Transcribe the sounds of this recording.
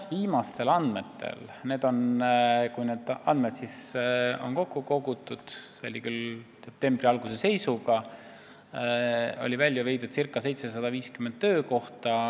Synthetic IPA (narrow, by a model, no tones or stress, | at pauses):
viːmɑst̪e̞lɑnd̪me̞t̪ːe̞̰lne̞ːd̪̥o̞nkujne̞ːd̪̥ɑ̰nd̪med̪̥siso̞̰nko̞kːuko̞ɡut̪ːˑud̪̥seo̞̰lʲikylse̞p̚t̪e̞mb̥riɑlɡ̥usese̞jsuɡ̥ɑ | o̞̰livælʲjuvejd̪ud̪̥sirkːˑɑse̞jt̪se̞sɑd̪̥ɑviːskymend̪tːø̞ːko̞ht̪ɑ